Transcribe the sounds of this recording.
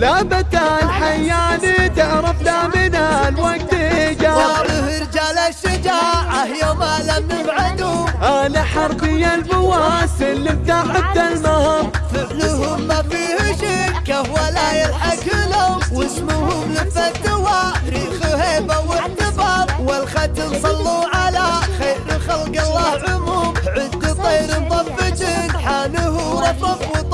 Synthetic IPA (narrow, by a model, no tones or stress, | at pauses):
labat̪anħajːaːnid̪aʕɾˤɑbnamɪnaalwak̚t̪ɪɪd͡ʒaʊhɪɾd͡ʒaːlaʃːɪd͡ʒaːʕahjamalamnɪbʕad̪uʔanaħɑɾˤbɪjːalbʊwasɪlːɪmt̪aːħɪb̚d̪almahaɾˤfɪʕnʊɦʊmːafiːhʃɪkahwalaːjalħakɪlʊwɪsmʊhʊmlɪfat̪ːɪwaɾiːxuheːbawɪʕt̪ɪbɑːɾˤwɪlxat̪ɪmsˤɑlːuʕalaxaːɾɪxalɡɑlˤːɑːhʕʊmuːmʕʊzqit̪ˤɑjɾnt̪ˤɑbːɪd͡ʒɪnħaːnʊɦʊɾɑt̪ˤɑfwt̪ˤ